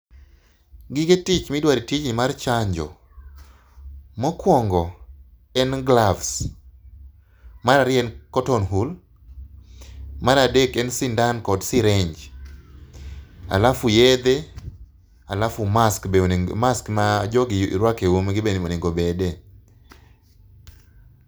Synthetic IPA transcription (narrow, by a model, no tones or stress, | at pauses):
ɡɪɡetit͡ʃmidwaɾitit͡ʃnimart͡ʃaɲd͡ʒɔ̰ | mɔkwɔŋɡɔ | ɛnɡlavs | maɾaɾɪɛnkɔtɔnɦul | maɾadekɛnsindankɔdsiɾɛɲd͡ʒ | a̰lafujɛd̪e | alafʊmaskmaskmad͡ʒɔɡɪɾwakewomɡɪbenoniŋɡobɛdɛ